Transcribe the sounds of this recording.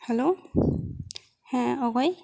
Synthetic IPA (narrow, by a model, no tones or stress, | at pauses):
hɛlo | hɛ̃ɔɡɔj